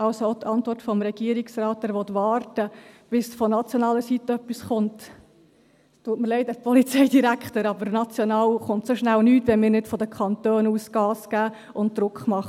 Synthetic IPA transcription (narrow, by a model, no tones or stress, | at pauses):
ɑlsoot̪ʰɑntʋɔrtfɔmɾɛɡ̥iəɾɪksrɑːtːɛːɾʋɔt̪ʋɑːrtəb̥ɪsfɔnɑt͡sjɔnɑːləsit̪ːəœpːisχʊnt | tuətməɾlɛɪd̪əɾpɔlit͡sɛɪdiɾækχtəɾɑbəɾnɑt͡sjɔnɑːwχʊntsoʃnælnyːtʋɛnmɪːɾnɪtfɔd̪əkχɑnt̪øːnuːsɡ̥ɑːsɡ̥æː | ʊnt̚d̪̥ɾʊkχmɑχə